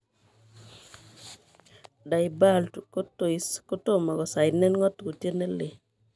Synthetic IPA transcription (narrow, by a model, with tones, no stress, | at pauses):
da˨ɪ˨ba˦lko˦to˨i˦sko˦to˦ma˨ɡɔ˨sa˨jnɛ˦nŋɔ˦tko˨tje˦ne˦le˨